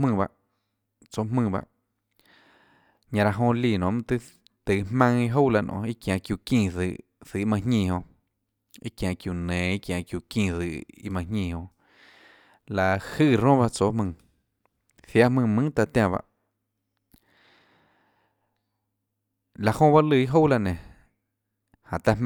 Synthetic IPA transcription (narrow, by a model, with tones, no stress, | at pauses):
mɨ̃ː˦˧˨ba̰˧ʔ | t͡so˨mɨ̃ː˧˨ba̰˧ʔ | ɲã˧ɾa˧˨ɦõ˧li˧˨nõ˨ʔmɨ̃˧t̪ɨ˦ | t̪ɨ˨mmã˧˦ŋi˦ɦo˦wla˧˨nʔõ̰˨i˦kjã˨kju˧˨kĩː˧˨ðɨ˧˨ʔ | sɨ˨ʔmã˧ɲĩː˧˨ɦõ˧ | i˦kjã˨kju˨nẽ˨i˦kjã˨kju˧˨kĩː˧˨ðɨ˧˨ḭ˦mã˧ɲĩː˦˧˨hõ˧ | la˨hɨ˦˧˨ɾõ˦ba˦˧t͡so˨˦mɨ̃˧˨ | θja˦mɨ̃˧mɨ̃˦t̪a˧˨t̪ʲjã˧˨βa̰˧˦ʔ | la˨hõ˦˧ba˦ʔlɨ˧˨i˦ɦo˦˨la˧ʔnẽ˨ | hã˨t̪a˧